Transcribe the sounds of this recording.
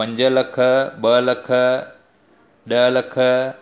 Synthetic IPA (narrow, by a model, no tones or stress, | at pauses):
ɐ̃ɲd͡ʑəlɐkʰəɓəlɐkʰə | ɗəɦləkʰə